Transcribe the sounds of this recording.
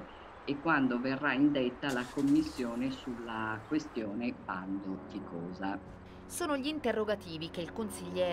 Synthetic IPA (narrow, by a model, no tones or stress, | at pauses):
ekːwand̪overːaind̪et̪ːalakomːisːjoːnesulːakwest̪joːnepand̪ot̪ikɔːza | soːnoʎiːnt̪erːoɡat̪iːvikeilkonsiʎːɛː